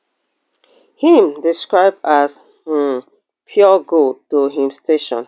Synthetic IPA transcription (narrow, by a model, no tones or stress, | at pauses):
hĩmdiskɹaɪb̚das | pʰjɔɡotoɦĩmstʰeʃɔ̰̃n